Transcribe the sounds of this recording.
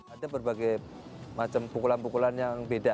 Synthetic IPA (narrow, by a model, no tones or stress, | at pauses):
adabərbaɡaj | mat͡ʃəmpukulanpukulanjaŋbeda